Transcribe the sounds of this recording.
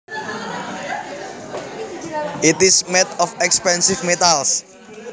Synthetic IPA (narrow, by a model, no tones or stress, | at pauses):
ʔit̪ismɛt̪ɔfɛkspɛnsifmet̪als